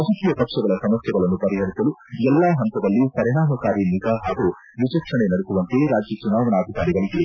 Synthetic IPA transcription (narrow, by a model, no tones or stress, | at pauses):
ɐsɐt̪ijɐpɐkʂɐɡɐɭɐsɐmɐsjɐɡɐɭɐnːupɐɾiɦɐɾisɐluɛlːaːɦɐnt̪ɐd̪ɐlːipɐɾiɽaːmɐkaːɾiniɡaɦaːɡu | ʋit͡ʃɐkʂɐɳenɐɽekuʋɐnt̪eɾaːd͡ʒjɐt͡ʃunaːʋɐnaːd̪ʱikaːɾiɡɐɭiɡi